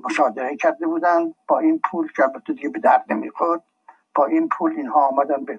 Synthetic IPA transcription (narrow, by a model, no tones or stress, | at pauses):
moʃɒːd̪eɾecʰæɾd̪ebuːd̪ænd̪̚b̥ɒːiːnpʰuːlcʰeælbæt̪ʰːed̪iɡebe̞d̪æɾd̪nḛmḭːxoɾd̪̥̚ | b̥ɒːʔiːnpʰuːliːnhɒːɒːmæd̪ænbe